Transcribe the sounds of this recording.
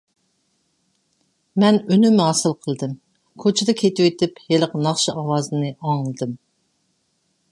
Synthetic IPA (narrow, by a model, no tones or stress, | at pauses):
mɛnønymɦɑːsɨlˠqʰəlˠɨd̪ɨm | kʰot͡ʃʰɪd̪ɛkʲʰet̪ɪwet̪ʰɪpheləqnɑχʃɑʔɑwɑːzɨnɨʔɑŋlˠɨd̪ɨm